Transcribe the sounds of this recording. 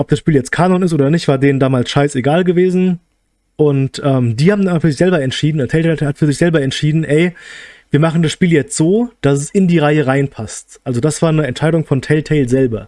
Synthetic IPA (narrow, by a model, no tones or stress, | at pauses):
ʔɔp̚d̥asʃpiːljɛt͡stkʰaːnɔnɪstʔoːdɐnɪçtv̥aːɐdeːəndaːmaːlsʃaɪseɡaːlɡəveːzn̩ | ʔʊntʔɛːmdiːhaːbm̩dannfyːɐzɪçz̥ɛlbɐɛntʃiːdn̩tʰɛɪlɛhatfyːɐzɪçz̥ɛlbɐɛntʃiːdn̩ʔɛɪviːɐmaχn̩dasʃpiːljɛt͡stz̥oːd̥asɛsɪndiːʁaɪəʁaɪnpʰastʔalzodasv̥aːɐnəɛntʃaɪɾʊŋfɔntʰɛɪltʰɛɪlzɛlbɐ